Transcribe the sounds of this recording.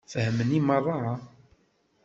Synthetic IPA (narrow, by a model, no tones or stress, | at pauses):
fəhəməniməɾˤːɑɑ